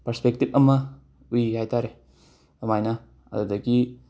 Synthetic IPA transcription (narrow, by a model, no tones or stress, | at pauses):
pɐɾspek̚tip̚ɐmɐ | ujhajtaɾe | ɐmajnɐ | ɐ̰dudɐɡi